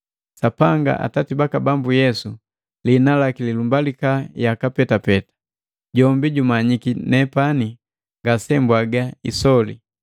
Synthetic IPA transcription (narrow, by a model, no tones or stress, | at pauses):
sapaŋɡa̰ʔa̰tatibakabambujɛsu | linalakililumbalikajakapɛtapɛtḁ | ɟɔmbiɟumaɲikinɛpani | ŋɡasɛmbwaɡaisɔlḭ